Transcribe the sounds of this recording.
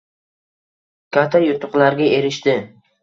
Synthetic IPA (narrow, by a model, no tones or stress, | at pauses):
kʲʰat̪ʰajʊt̪ʰʊqlaɾɡʲae̞ɾɪʃt̪ɪ